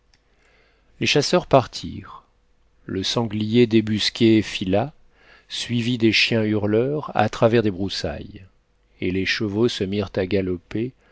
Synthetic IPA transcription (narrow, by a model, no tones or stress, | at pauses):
leʃasœʁpaʁt̪ʰḭʁ | ləsɑ̃ɡlijed̪ebyskʲefila | sɥivid̪eʃjɛ̃yʁlœʁa̰t̪χavɛʁd̪ebʁusa̰j | eleʃəvosəmiʁt̪aɡalɔpe